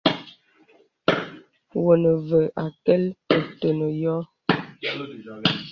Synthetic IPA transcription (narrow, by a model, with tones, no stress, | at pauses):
wo˨nə˨və˨ʔa˨kɛ˦lpə˨to˨nə˨jɔ˦